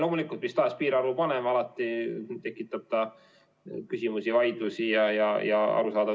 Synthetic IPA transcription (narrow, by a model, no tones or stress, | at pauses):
lo̞ːmulikːˑult̪mist̪ɑːspiːɾɑɾupɑnemɑlɑt̪ːˑit̪e̞kːˑit̪ːˑɑb̥̚t̪ɑ | kysimusivɑjd̪̥usijɑjɑjɑɑ̰ɾusɑːd̪ɑ